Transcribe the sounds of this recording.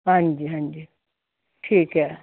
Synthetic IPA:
ɦɐ̃nd͡ʒiɦɐ̃nd͡ʒi | ʈʰiːkɦɛ

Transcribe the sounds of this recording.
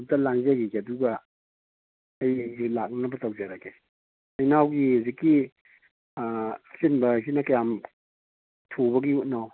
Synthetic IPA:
tɐlaŋzaɡiɡeɐduɡɐ | ɐjlak̚nɐbɐtɐwd͡ʒaɾake | ɐjnawɡihuzikːi | sinbɐs̬inɐkɐjam | tʰobɐɡiut̚naw

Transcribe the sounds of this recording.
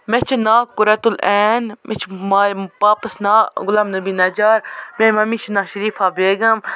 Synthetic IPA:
mɛt͡ʃʰnaːkʊɾɐt̪ulɛːnmʔɛt͡ʃʰmapaːpɐsnaːɡʊlaːmnɐbiːnɐd͡ʒaːɾmẽmɐmit͡ʃʰnaːʃɐɾiːfaːbeːɡɐm

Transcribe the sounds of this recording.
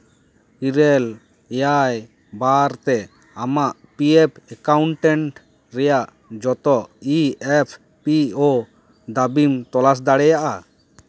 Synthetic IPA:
kiɾɛl | jaj | baɾt̪ɛ | amaʔ | piɛpʰɛkawɳʈɛɳʈ | ɾɛjaʔ | d͡ʒɔt̪ɔʔiɛpʰ | piɔ | d̪abimt̪ɔlas̬d̪aɽɛjaʔa

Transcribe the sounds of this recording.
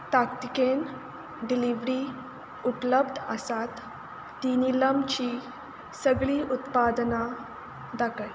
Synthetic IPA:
t̪akt̪iken | ɖiliʋɾi | ut̪ləbd̪ʱəsat̪ː | inilamt͡ɕi | səɡɭiːʔut̪pad̪na | d̪akəj

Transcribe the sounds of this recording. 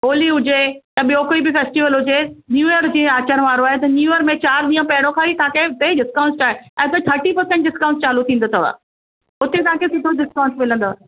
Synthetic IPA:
oːliɦʊd͡ʑet̪ɐɓijoːkoibɪfeːsʈiʋəlɦʊd͡ʑenjuːjəɾd͡ʑẽːaːt͡ɕənʋaːɾoaːɦet̪ɐnjuːjəɾmẽt͡ɕaːɾɗiːə̃pɐɦɪɽ̃õkʰãːit̪ʰaːket̪eɗɪskãːʊ̃nsaːɦeɛ̃ːt̪eʈ̪ʰɐɾʈipɐɾsɛ̃ɳʈ̚ɖɪskaːʊ̃nst͡ɕaːlut̪ʰĩːnd̪ot̪ʰɐʋa̰ː | ʊt̪et̪ʰaːkʰesɪt̪ʰoɖɪskãːʊ̃nsmɪlə̃nd̪oaɦ

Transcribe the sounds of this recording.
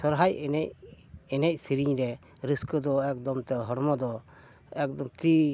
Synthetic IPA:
sɔɾɦajnɛc̚ | ɛnɛc̚ˀsiɾiɲɾɛ | ɾiskɔd̪ɔɛk̚d̪ɔmt̪ɛɦɔɽmɔd̪ɔ | ɛk̚d̪ɔmt̪i

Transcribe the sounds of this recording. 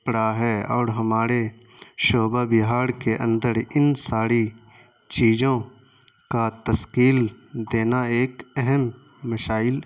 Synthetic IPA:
pɽaɦɛɔːɾɦɐmaːɾe | ʃoːbabɪɦaːɾkeʔə̰̃nd̪əɾɪnsaːɾi | t͡ʃiːd͡ʒõ | kat̪əskiːld̪eːnaeːkɛɦɛmː | əʃaːɪl

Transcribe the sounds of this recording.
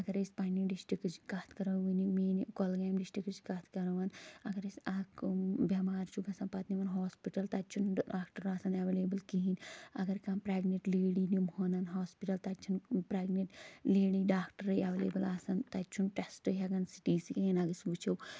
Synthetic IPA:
ɐɡɐɾespɐniɖisʈɾikt͡ʃkat̪ʰkɐɾɐʋinimeːnikolɡaːmɖisʈikt͡ʃkaːt̪ʰkɐɾɐʋɐnɐɡɐɾesʲakbɐmaːɾt͡ʃʰuɡɐsaːnpɐt̪niʋɐnɦoːspiʈɐlt̪ɐt͡ʃʰunɖaːkʈɐɾaːsaːnɐʋeleːbɨlkiɦinɐɡɐɾkaːnpɾaːɡneʈleːɽinimhoːnɐnɦoːspiʈɐlt̪ɐt͡ʃʰunpɾaːɡneʈleːɽiɖaːkʈɐɾɐɐʋelḛːbɐlaːsɐnt̪ɐt͡ʃʰunʈesʈɨjɐɡɐnsi̥ʈiːsikiinɐɡɐsbut͡ʃʰɐw

